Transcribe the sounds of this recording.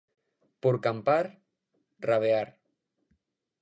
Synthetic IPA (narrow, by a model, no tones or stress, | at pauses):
puɾkampaɾ | raβ̞eaɾ